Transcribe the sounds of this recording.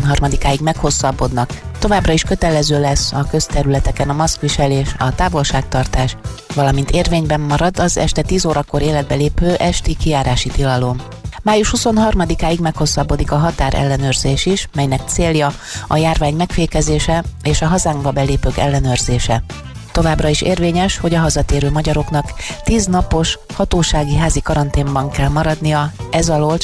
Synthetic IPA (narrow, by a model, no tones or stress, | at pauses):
nɦɒrmɒd̪ikaːiɡmɛkho̞sːɒbːo̞d̪nɒkt̪o̞vaːbrɒiʃkø̞t̪ɛlɛzøːlɛsːɒkø̞st̪ɛɾylɛt̪ɛkɛnɒmɒskʋiʃɛleːʃɒt̪aːvo̞lʃaːk̚t̪ɒrt̪aːʃvɒlɒmint̪eːrveːɲbɛmːɒɾɒd̪ɒzɛ̰ʃt̪ɛt̪iːzoːɾɒko̞ɾeːlɛd̪̚bɛleːpøːʔɛʃt̪ikijaːɾaːʃit̪ilɒlo̞m | maːjuʃhuso̞nɦɒrmɒd̪ikaːjiɡmɛkho̞sːɒbːo̞d̪ikɒɦɒt̪aːɾʔɛ̰lːɛnøːrzeːʃiʃmɛjnɛk̚t̪seːljɒ | ɒjaːrvaːɲmɛkfeːkɛzeːʃɛeːʃɒɦɒzaːŋɡbɒbɛleːpøːkɛ̰lːɛnøːrzeːʃɛ | t̪o̞vaːbrɒiʃeːrveːɲɛʃho̞ɟɒɦɒzɒt̪eːɾøːmɒɟɒɾo̞knɒkt̪iːznɒpo̞ʃhɒt̪oːʃaːɡiɦaːzikɒɾɒnt̪eːmbɒŋkɛlmɒɾɒd̪nijɒɛzɒlolt̪